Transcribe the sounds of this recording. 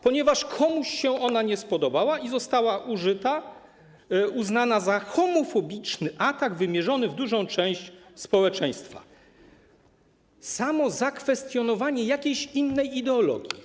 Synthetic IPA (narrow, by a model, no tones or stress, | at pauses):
pɔɲɛvaʂkʰɔmuɕɕɛʔɔnaɲɛspɔd̪ɔbawaizɔst̪awaʔuʐɘt̪a | uznanazaxɔmɔfɔbʲit͡ʂnɘʔat̪aɡvɘmʲjɛʐɔnɘvd̪uʐɔ̃w̃t͡ʂɛ̃w̃ɕt͡ɕspɔwɛt͡ʂɛ̃j̃st̪fa̰ | samɔzakfɛst̪jɔnɔvaɲɛjakʲejɕinːɛjid̪ɛɔlɔ̰ɡʲji